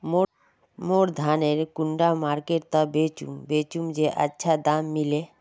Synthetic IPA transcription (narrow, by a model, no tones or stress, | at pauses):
mo | moːɾd̪ʱaːneɾkʊɳɖamaːɾkeʈ̚t̪abeːt͡ʃṵmbeːt͡ʃumd͡ʒeʔə̰tːʃʰad̪aːmːile